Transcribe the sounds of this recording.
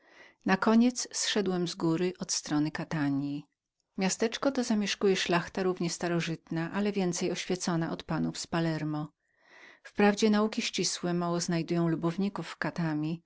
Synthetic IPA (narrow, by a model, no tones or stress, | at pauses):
nakɔɲɛt̪ssʂɛd̪wɛmzɡuɾɘʔɔt̪st̪ɾɔnɘkat̪aɲji | mʲjast̪ɛt͡ʂkɔt̪ɔzamʲjɛʂkujɛʂlaxt̪aɾuvɲɛst̪aɾɔʐɘt̪naʔalɛvʲjɛnt̪sɛjɔɕfʲjɛt̪sɔnaʔɔt̪panufspalɛɾmɔ | fpɾavd͡ʑɛnaukʲiɕt͡ɕiswɛmawɔznajd̪ujɔ̃w̃lubɔvɲikufːkat̪amʲi